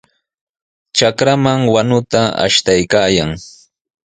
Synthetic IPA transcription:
t͡ʃakɾamaŋwanʊt̪aa̰ʃt̪ajkaːjaŋ

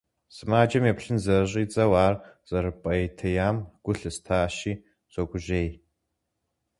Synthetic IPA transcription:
sɨmaːd͡ʒɐmjɛpɕɨnzɐɨɕ̬ʼiːt͡sʼɐwaːrz̥ɐɾɨpʼɐjtʰɐjaːmɡ̥ʷʊɬɨstʰaːɕiː | z̥ʷɐɡʷʼʊʑeːj

